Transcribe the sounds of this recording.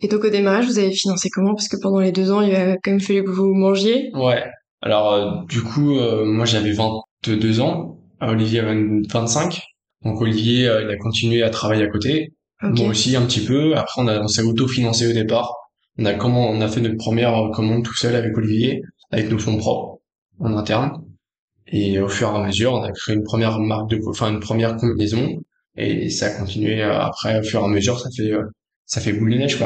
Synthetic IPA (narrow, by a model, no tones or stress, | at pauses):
ed̪ɔ̃kod̪emaʁaʒvuzavefinɑ̃sekɔmɑ̃pḁskəpɑ̃d̪ɑ̃led̪øzɑ̃ilvakɑ̃mɛmfalykəvumɑ̃ʒjewɛ | a̰lɔʁød̪ykʰuømwaʒeavɛvɛ̃t̪ | d̪øzɑ̃ | olivjeavɛ̃vɛ̃t̪sɛ̃kʲ | d̪̥ɔ̃kolivjeøilakɔ̃t̪inɥeat̪χavajeakot̪e | omkwaosiɛ̃pət̪ipøapχɛɔ̃naɔ̃sɛot̪ofinɑ̃seod̪epaʁ | ɔ̃nakɔmɑ̃ːnafɛnɔt̪pχəmjɛʁøkɔmɑ̃d̪̚t̪u̥sœlavɛkolivje | avɛknofɔ̃pχɔpχ | ɑ̃nɛ̃t̪ɛʁn | eofyʁeaməzyʁɔ̃nakχeeynpχəmjɛʁmaʁk̚d̪əɑ̃fɛ̃ynpχəmjɛʁkɔ̃binezɔ̃ | ḛsaːkɔ̃t̪inɥeø̰a̰pχɛofyʁeaməzyʁsafɛø | safɛbulənɛʒkwa